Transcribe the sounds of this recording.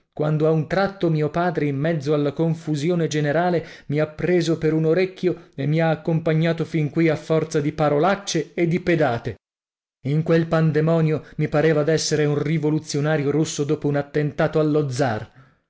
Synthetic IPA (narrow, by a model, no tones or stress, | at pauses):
kwand̪oaunt̪ɾat̪ːomiːopaːd̪ɾeimːɛd̪zːoalːakoɱfuzjoːned͡ʒeneɾaːlemiapːɾeːzopeɾunoɾekːjoemːiaːkːompaɲːaːt̪ofiŋkwiafːɔrt̪sad̪ipaɾolat͡ʃːeːd̪ːiped̪aːt̪e | iŋkwelpand̪emɔːnjomipaɾeːvad̪ɛsːeɾeunrivolut̪sjonaːɾjoɾusːod̪oːpounat̪ːent̪aːt̪oalːod̪zːa̰r